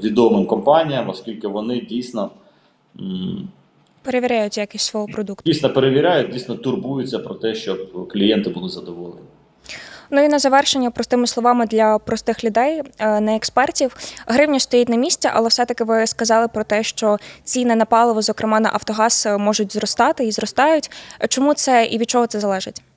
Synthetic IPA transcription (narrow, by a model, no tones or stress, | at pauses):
ʋʲid̪ɔmɪmkɔmpɑnʲijɐmɔskʲilʲkɪʋɔnɪdʲijsʲnɔ | peɾeʋʲiɾʲajʊtʲjakɪsʲsʋɔɦɔpɾɔd̪ukt̪ʲijsʲnɔpeɾeʋʲiɾʲajʊdʲijsʲnɔt̪ʊrbujʊt͡sʲːɐpɾɔt̪ɛʃt͡ʃɔpklʲijɛnt̪ɪbʊlˠɪzɐd̪ɔʋɔlˠḛnʲi | nuinɐzɐʋɛrʃenʲːɐpɾɔst̪ɪmɪslˠɔʋɑmɪd̪lʲɐpɾɔst̪ɪxlʲʊd̪ɛjnɛːkspɛrtʲiwɦɾɪwnʲɐst̪ɔjitʲnɐmʲisʲt͡sʲɛʔɐ̰lˠɛfsɛt̪ɐkɪʋɪskɐzɑlˠɪpɾɔt̪ɛʃt͡ʃɔt͡sʲinɛnɐpɑlˠɔʋɪzɔkɾʔɪmɑnɐ̰ʔɐwt̪ɔɦɑsmɔʒʊtʲzrɔst̪ɑt̪ɪizrɔst̪ɑjʊtʲt͡ʃɔmut̪sɛʔḭʋʲid̪̚t͡ʃɔɦɔt̪sɛzɐlˠɛʒɪtʲ